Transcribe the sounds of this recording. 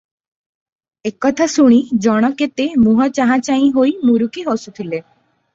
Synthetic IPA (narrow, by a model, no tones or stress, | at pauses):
ekɔt̪ʰasuɽ̃id͡ʒɔɽ̃ɔket̪emuɦɔt͡ʃaɦãt͡ʃaĩɦojmuɾukiɦosut̪ʰile